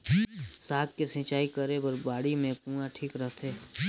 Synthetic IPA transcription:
saːk̚kesɪ̃t͡ʃaːikəɾebəɾbaːɽimẽkũːãʈʰiːkɾəɦt̪ʰeː

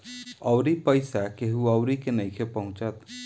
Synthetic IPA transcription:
əʊɾipəɪsakeɦuəʊɾikenəjkʰepəɦũt͡ʃət̪

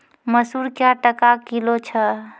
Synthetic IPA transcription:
məsuɾkjaʈəkakilot͡ʃʰə

